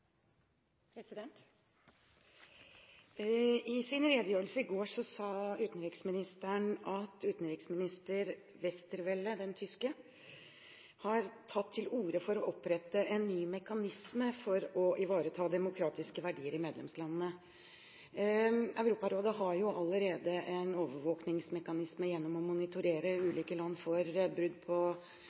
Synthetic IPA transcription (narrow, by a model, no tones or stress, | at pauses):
pʰɾɛsɪd̪ɛnt̪ | ɪsɪnɾeːd̪əjøːɾəlsəɪɡoːʂɔsɑːʉːt̪n̩ɾɪksmɪnɪst̪əɳɑt̪ʉːt̪nɾɪksmɪnɪst̪əɾ | ʋɛst̪əɾʋɛlːəd̪ɛnt̪ʰʏskə | hɑɾt̪ʰɑt̪ʰːɪluːɾəfɔɾɔʔɔpɾɛt̪ːəʔɛnːyːmɛkɑnɪsməfɔɾɔʔɪʋɑːɾət̪ʰɑːd̪ɛmʊkʰɾɑːt̪ɪskəʋæɖiːəɾɪmeːd̪lɛmslɑnnə | œʉɾuːpɑɾoːd̪əɦɑɾjʊʔɑlːəɾeːd̪əʔɛnoːʋəʋoːknɪŋsmɛkɑnɪsməjɛnːɔmɔmʊnɪt̪ʊɾeːɾəʉːliːkəlɑnːfɔɾbɾʉd̪pʰɔ